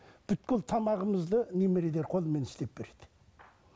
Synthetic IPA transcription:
b̥ʏt̪kʲɪlt̪ʰɑmɑʁəməzd̪ənemeɾed̪eɾqʰo̞lˠəme̞nɪ̥st̪e̞p̚b̥e̞ɾe̞d̪̥ɪ̥

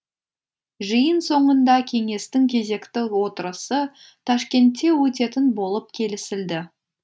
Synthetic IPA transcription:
ʒəjənso̞ɴənd̪ɑkʲʰe̞ŋe̞st̪ɪŋkʲʰe̞ze̞kt̪ɪwo̞t̪əɾəsə | t̪ʰɑʃkʲe̞nt̪ːe̞wɵt̪e̞t̪ɪnbo̞lˠəp̚kʲʰe̞lɪsɪld̪ɪ

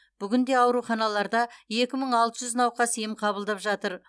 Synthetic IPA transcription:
b̥ʏɡʲɪnd̪e̞ɑwɾuχɑnɑlˠɑɾd̪ɑje̞kʲɪməɴɑlˠt̪əʒʏznɑwqɑsijɪmqʰɑbəlˠd̪ɑpʒɑt̪əɾ

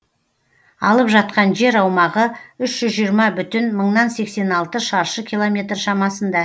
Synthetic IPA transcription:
ɑlˠəpʒɑt̪̚qɑnʒe̞ɾɑwmɑʁəʏʃʒ̥ʏzʒiəɾmɑbʏt̪ɪnməɴnɑnse̞kse̞nɑlˠt̪əʃɑɾʃəkʲʰijlˠo̞mʲe̞t̪rʃɑmɑsənd̪ɑ

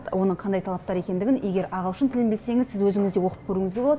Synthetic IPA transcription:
wo̞nəɴqʰɑnd̪ɑjt̪ʰɑlˠɑp̚t̪ɑɾe̞kʲe̞nd̪ɪɡʲɪnje̞ɡʲe̞ɾɑʁəlˠʃənt̪ʰɪlɪmbese̞ŋɪzsɪzwɵzɪŋɪzd̪e̞wo̞qəpkʲʰɵɾuːŋɪzɡʲe̞boɑd̪

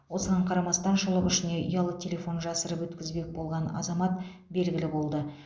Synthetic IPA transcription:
wo̞səʁɑɴqʰɑɾɑmɑst̪ɑnʃəlˠəʁʏʃɪne̞ʔḭjɑlˠət̪ʲʰe̞lʲe̞fo̞nʒɑsəɾəpwɵt̪kʲɪzbe̞k̚bo̞lˠʁɑnɑ̰zɑmɑt̪ | be̞lɡʲɪlɪbo̞lˠd̪ə

